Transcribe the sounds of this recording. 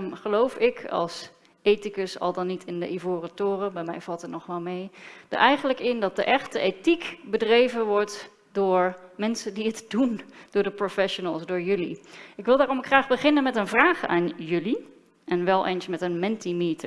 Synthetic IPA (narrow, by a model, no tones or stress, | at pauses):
mχəlowfɪkɑ̰lˠs | ejtikəsɑ̰lˠdɑnːitʰɪndə̰ʔivoːrətʊːrəbɛjmɛjvɑlˠtət̚nɔχʋɛlˠmejd̥ə̰ɹʔɛjχənləkɪndɑt̚dəʔɛχtəejtikbədrejvənʋɔɹt | dʊːɹmɛnsəndiɦətdund̥ʊːɹdəprofɛʃonəlˠsdʊːɹjɵlḭɪkʋɪlˠdaːɾɔmkχraːχbəχɪnənmɛtənvraːχa̰ːnjɵli | ɛnʋɛlˠʔḛjnsmɛtənmɛntimitə̰ɹ